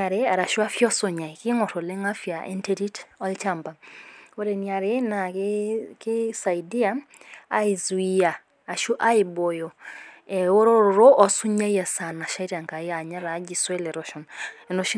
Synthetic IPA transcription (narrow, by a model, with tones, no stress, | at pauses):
a˨ɾea˨ɾa˨ʃu˦a˦fjɔ˦so˨ɲa˨i˨ki˦ŋɔ˨ɾo˨le˦ŋa˦fja˨ʔḛ˦nte˦ɾi˦tɔ˦lt͡ʃa˦mba˨o˦ɾe˨nia˨ɾe˦na˨ | ki˦sa˨i˨di˦a˦ | a̰˦i˨zwia˨ | a˨ʃu˦ʔa˦i˨bo˨jɔ˨ɛ˨o˦ɾo˦ɾo˨ɾo˦ʔɔ˦su˦ɲa˦ja˨sa˨na˨ʃa˦i˦ɾa˨ŋka˨ja˨ɲa˦ɾa˨˦d͡ʒi˨swɛ˦lɛ˨ɾɔ˦ʃɔ˨nɛ˨no˦ʃi˦